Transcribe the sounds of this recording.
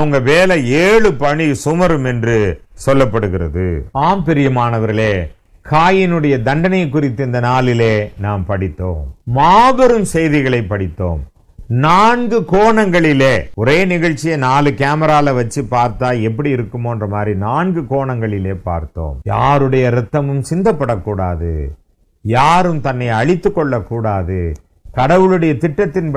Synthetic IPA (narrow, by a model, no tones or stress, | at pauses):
ɐɯŋɡɐʋeːlɛeːɭɯpɐɳisʊmɐɾɯmɛndrɯsɔlːɐpːɐɽɯɣɪrɐ̰ðɯ̰aːmpɪɾɪjɐmaːnɐʋɐɾɣɐɭeː | kʰaːjɪnɯɽɐjɐd̪ɐɳɖɐnɐjk̬ːʊɾɪt̪ːɯɪnd̪ɐnaːlɪleːnaːmpɐɽɪt̪ːo̰ːmːaːbɐɾɯmsɛjðɪɣɐɭɐɪpːɐɽɪt̪ːo̰ːm | naːnɡɯkoːɳɐŋɡɐɭɪleːɔɾeːnɪɣɐɭt͡ʃːɪjɐnaːlɯkaːmɐɾaːlɐʋɐt͡ʃːɯpːaːɾt̪aːlɛpːɐɽiɪɾɯkːɯmoːɛndrɐmaːd̪rinaːnɡɯkoːɳɐŋɡɐɭɪleːpa̰ːɾt̪ːo̰ːmja̰ːɾɯɽɐjɐɾɛt̪ːɐmɯmsɪnd̪ɐpːɐɽɐkːuːɽa̰ːðɯ̰ | jaːɾɯmt̪ɐnːɐɪɐɻɪt̪ːɯkːɔɭːɐkːuːɽaːðɯ | kɐɽɐʋɯɭɯɽɐjɐt̪ɪʈːɐt̪ːɪnp